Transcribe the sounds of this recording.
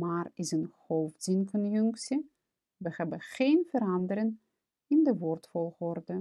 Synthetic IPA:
maːrɪsənhowfzɪnkɔnjʏŋksi | ʋəhɛbəχejnvəɾɑndəɾən | ɪndəʋɔːrtfɔlˠχɔrdə

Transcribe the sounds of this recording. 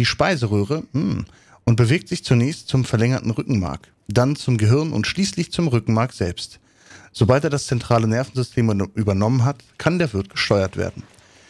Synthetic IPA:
d̥iːʃpaɪzəʁøːʁə | ʔʊnt̚b̥əveːk̚tz̥ɪçt͡sunɛːçstt͡sʊmfɛɐlɛŋɐtn̩ʁʏkŋ̩ma̰ɐk | d̥ant͡sʊmɡəɦɪɐnʔʊ̰ntʃliːslɪçt͡sʊmʁʏkŋ̩maɐktz̥ɛlpst | z̥obalteːɐdast͡sɛntʁ̥aːlənɛɐfn̩zʏstʰeːmʔyːbɐnɔmənɦatkʰandeːɐvɪɐt̚ɡ̥əʃtʰɔʏɐtv̥ḛːɐdn̩

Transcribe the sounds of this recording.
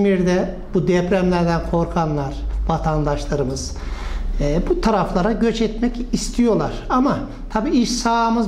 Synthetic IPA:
miɾd̪ɛ | bud̪ɛpɾæmlʲæɾd̪ænkʰo̞ɾkʰanlˠaɾ̥vat̪ʰand̪aʃlˠaɾɯmɯz̥ | but̪ʰaɾaflˠaɾaɟøt͡ʃɛt̪mɛcist̪ʰijo̞lˠaɾ̥ama | t̪ʰabiːiʃsaːmɯz

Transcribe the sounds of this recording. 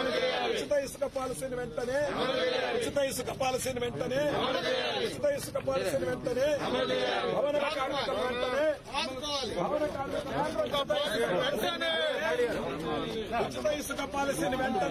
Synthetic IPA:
niut͡ʃit̪ɐjisu̥kɐpaːlɐsiːniʋɛɳʈɐneːut͡ʃit̪ɐjisukɐpaːlɐsiːniʋɛɳʈɐneː | ut͡ʃit̪ɐjisukɐpaːlɐssiːniʋɛɳʈɐneː | bʱɐʋɐnɐkɐkaːɾmɐkɐmʋɛɳʈɐneː | bʱɐʋɐnɐkaːɾɐkɐmaːɾɐtɐt̪ɐjɐɐɐʋɛlɐsiɐeɐiaɾ | ut͡ʃit̪ɐjisukɐpaːlɐsiːniʋɛɳʈɐ

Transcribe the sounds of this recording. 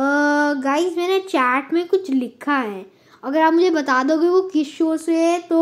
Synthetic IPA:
ɡaːɪsmɛːnet͡ʃɛːʈmẽkʊt͡ʃʰlɪkʰːaɦɛː | ɐɡəɾaːpmʊd͡ʒʱebɐt̪aːd̪oɡeɡokɪʃoːset̪o

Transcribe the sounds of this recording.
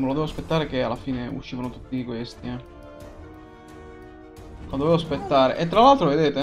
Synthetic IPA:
melod̪ɛvoaspet̪ːaːɾek̟ealːafiːneṵʃːiːvanot̪ut̪ːiikwest̪iɛ | od̪ovevoaspet̪ːaːɾḛʔet̪ːɾalalt̪ɾoved̪eːt̪e

